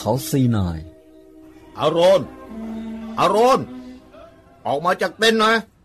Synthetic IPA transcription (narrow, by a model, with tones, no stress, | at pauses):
kʰa˦˥wsiː˨˩naː˨˩j | ʔa̰ː˧ɾoː˧˩n | ʔaː˧ɾoː˧˥˩n | ʔɔː˨k̚maː˧t͡ɕaː˨˩k̚t̪e˧˥˨nːa˦˥